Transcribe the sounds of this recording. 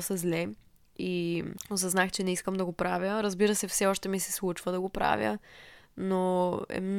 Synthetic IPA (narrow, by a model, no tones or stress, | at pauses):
səzlɛ | ios̬ɐznaxt͡ʃɛnɛiskəmd̪ɐɡopɾavjəɾəzbiɾəsɛfsɛɔʃt̪ɛmisɛ̥slˠut͡ʃvəd̪ɐɡopɾa̰vʲjə̰ | noɛ̰mn